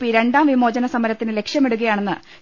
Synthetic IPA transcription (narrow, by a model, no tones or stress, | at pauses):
iɾe̞ɳɖaːmʋimo̞ːd͡ʑɐnɐsɐmɐɾɐt̪ːinɨle̞kʂjɐmeɽuɣɐjaːɳe̞nːɨ